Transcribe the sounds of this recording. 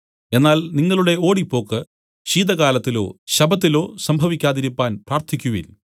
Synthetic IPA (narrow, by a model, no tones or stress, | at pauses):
e̞nːaːlniŋːɐɭuɽe̞o̞ːɽipːo̞ːkːɨ | ɕiːd̪ɐɣaːlɐt̪ːilo̞̰ːɕɐbʱɐt̪ːilo̞ːsɐmbʱɐʋikʲːaːðiɾipːaːnpraːrt̪ʰikʲːuʋḭl